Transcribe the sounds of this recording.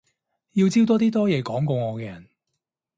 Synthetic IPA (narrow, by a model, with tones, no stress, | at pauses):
ji˧wt͡siː˥wt̪ɔː˥t̪̬iː˥t̪ɔː˥jɛː˨˧kɔː˨˥ŋkɔ˧wŋɔː˨˧kɛː˧jɐ˨˩n